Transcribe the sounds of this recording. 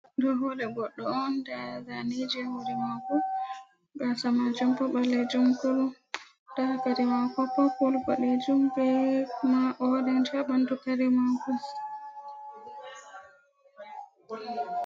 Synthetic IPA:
dɔɦɔɗɛɡɔɗːɔɔndazanid͡ʒwodimaku | ɡasamad͡ʒumpɔɓaled͡ʒumkul | dakaɾimakɔpːɔpulkɔled͡ʒumbɛmaʔɔdɛnd͡ʒaɓantukaɾimakus

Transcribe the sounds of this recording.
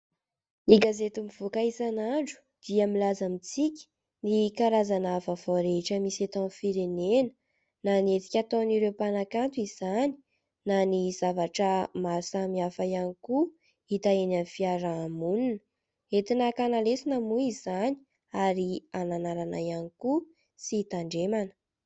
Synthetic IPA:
niɡazet̪umiv̥okaisanaɳɖ͡ʐu̥ | d̪̥iamilazamit͡sikʲi̥ | nikaɾazanafavoɾeʈ͡ʂəmisat̪ɔ̃nfiɾenenə̥ | nanet͡si̥kʲat̪oniɾewpanakant̪uiz̥ani̥ | naniz̥avaʈ͡ʂəmasamiafajaniku | it̪aenanfiaɾamuninə | et̪inakanalesinəmuizani̥ | aɾiananaɾana̰janiku | sit̪aɳɖ͡ʐemanə̥

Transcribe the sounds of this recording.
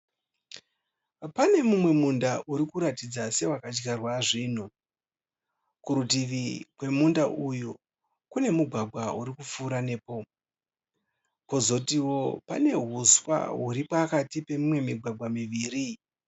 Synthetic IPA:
pane̞mumwe̞mundaʔuɾikuɾatid͡zase̞wakat͡ʃɡarwaʐiːn̤u | kuɾutiʋikwe̞mundaʔuju | kune̞muɡʱwaɡʱwauɾikup͡fuːɾane̞ːpo̞ | ko̞zo̞tiwo̞pane̞ɦuswa̰ɦuɾipakatipe̞mimwe̞miɡʱwaɡʱwamiʋiːɾi

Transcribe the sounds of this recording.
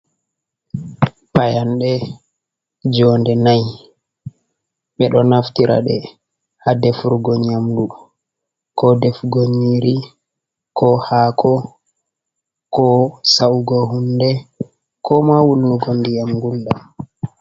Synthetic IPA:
pajanɗɛ | d͡ʒɔndɛnaj | ɓɛɗɔnaftiɾa̰ɗɛ̰ | hadɛfuɾɡɔɲamdu | kɔdɛfɡoɲiɾi | kʰɔhaːkʰɔ | kɔsawɡɔɦundɛ | kʰɔmawulːuɡɔndijamɡulɗa

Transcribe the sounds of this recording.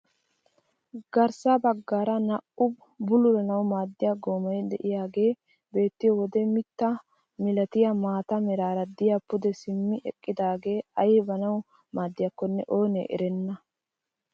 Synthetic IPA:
ɡ̥ɐɾsɐbɐɡːaːɾɐnɐʔʊb | bʊlʊlɐnɐwmaːd̪ːɪjaɡoːmɐjd̪ɛʔɪjaːɡe̞ː | be̞ːt̪ːɪjɔwɔd̪ɛmɪt̪ːɐ | mɪlɐt̪ɪjɐmaːt̪ɐmɛɾaːɾɐd̪ɪjapːʊd̪ɛsɪmːɪʔɛ̰kʼːɪd̪aːɡe̞ːɐjɛbɐnɐw | maːd̪ːɪjɐkːɔnːɛʔo̞ːnḛʔɛ̰ɾɛnːɐ

